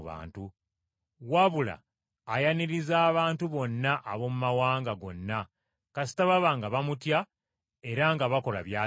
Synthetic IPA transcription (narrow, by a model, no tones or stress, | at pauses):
βa̰ːntu | waβula̰ː | janiɾizaːβaːntuβo̞nːaʔaβo̞mumawaːŋɡaɡo̞̰nːa | kasi̥taβaβaŋɡaβamutja | e̞ɾaŋɡaβako̞la̰βjaː